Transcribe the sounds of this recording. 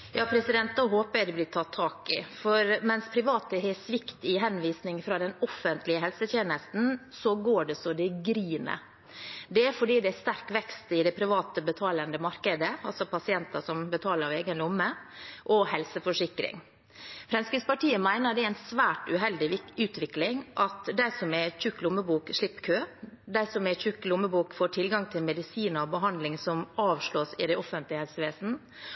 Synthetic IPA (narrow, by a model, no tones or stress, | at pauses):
jɑːpʰɾɛsɪd̪ɛnt̪̚d̪oːɦoːpəd̪ɛblɪːt̪ʰɑt̪ʰːɑːkɪ̰fɔɾmɛnspʰɾɪʋɑːt̪əhɛsʋɪkt̪ɪɦɛnʋiːsnɪŋfɾɑd̪ɛnɔfːənt̪lɪəɦɛlsət̪ʰjeːnəst̪n̩sɔɡoːɖɛsɔd̪ɛɡɾiːnə̰ | d̪ɛæfɔɖiːd̪ɛæʂt̪æɾkʋɛkst̪ɪd̪ɛpʰɾɪʋɑːt̪əbət̪ʰɑːlənd̪əmɑɾkəd̪əɑ̰lsɔpʰɑsɪɛnt̪əsɔmbət̪ʰɑːləɾɑʋeːɡənlɪɔmːəʔɔhɛlsəfɔʂɪkɾɪ̰ŋ | fɾɛnskɾɪspɑʈiːəmæɪnəɾd̪ɛɪnsʋæːʈʉɦɛld̪ɪʉːt̪ʋɪklɪŋʔɑt̪d̪æɪsɔmɛçʉkːlʊmːəbuːkʂɭɪpːkʰøːd̪æɪsɔmɛçʉkːlʊmːəbuːkfoːʈʰɪlɡɑŋt̪ʰɪlmɛd̪ɪsiːnəɾɔbəɦɑnd̪lɪŋsɔmɑːʋʂɭoːsɪd̪ɛʔɔfənt̪lɪəhɛlsəʋeːsn̩